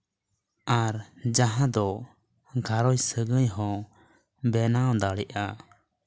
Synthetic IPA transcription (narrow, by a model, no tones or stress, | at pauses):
aɾd͡ʒaɦãd̪ɔ | ɡʱaɾɔjsəɡəjɦɔ̃ | bɛnaw̃d̪aɽɛʔa